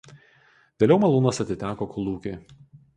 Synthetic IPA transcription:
ʋʲeːlʲɛʊmɐlˠuːnɐsɐt̪ʲɪt̪ʲæːkoːkʊlˠuːkʲɪ

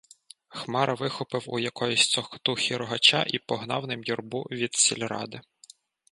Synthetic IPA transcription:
xmɑɾʔɐʋɪxɔpɪwṵjɐkɔjʊsʲt̪ɔxt̪uxʲiɾɔɦɐt͡ʃɑ̰ʔipɔɦnɑwnɪmjɔrbuʋʲid̪sʲɪlʲɾɑ̰d̪ɪ

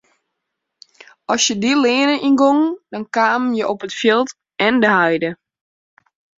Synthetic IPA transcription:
ʔɔsjədilɪːnəʔinɡoŋdɔnkaːmənjəʔopətfjilˠt | ɛndəhajdə

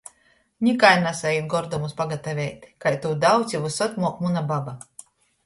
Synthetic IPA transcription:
nʲikajnasait̪̚ɡɔɾd̪ɔmuspaɡat̪avʲɛjt̪ʲkajt̪uːd̪aw̪sʲivusɔt̪ʲmuɔkmunababa

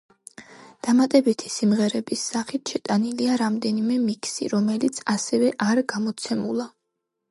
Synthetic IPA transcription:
d̪̥amat̪ʼɛbit̪ʰi̥simʁɛɾɛbisːaχit̪ʰʃɛt̪ʼaniliaɾamd̪ɛnimɛmikʰsḭɾɔmɛlit̪sʰasɛvɛʔaɾɡamɔt̪sʰɛmulˠa

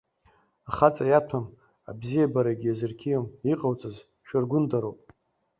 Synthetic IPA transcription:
aχat͡sʼajatʰam | a̰bzijabaɾaɡʲjazɨrkʲʰijomiqʼawt͡sʼaz | ʃᶣarɡʷʊndaɾowpʼ

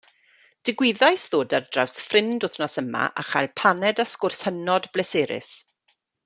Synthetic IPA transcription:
d̥ɪɡwɪðajsðoːdardrawsfrɪndʊθnɔsəma̰ʔa̰χa̰jlˠpʰanɛdaskʊrshənɔdblɛseːɾɪ̰s

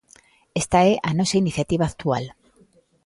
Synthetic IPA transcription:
est̪aeʔanosainiθjat̪iβ̞aːkt̪ual

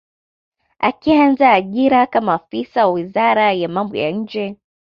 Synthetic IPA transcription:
a̰kianzaːʄiɾakamaːfisawawizaɾajamambɔ̰ja̰ɲ̩d͡ʒɛ

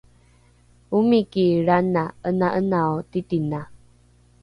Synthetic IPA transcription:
umikiɾanaənaʔənaotitina

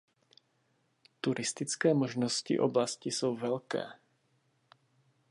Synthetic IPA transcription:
t̪uɾʔist̪it͡skɛːmɔʒnɔscḭʔɔ̰blascisuːʋɛʎkɛ̰ː

